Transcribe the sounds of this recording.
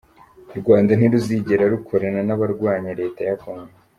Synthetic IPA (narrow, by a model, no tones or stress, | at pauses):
ɾɡwaːndan̥iɾuziːɟe̞ɾaɾukʰo̞ɾaɾanaβaɾɡwaːɲeɾe̞ːtajakoːŋɡo